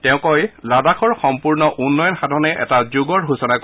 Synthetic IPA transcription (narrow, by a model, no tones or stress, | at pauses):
tɛʊ̃kɔjladakʰɔɹxɔmpuɹnɔʔunːɔjɔnxadʱɔnɛʔɛ̰tazuɡɔɹɦusɔnak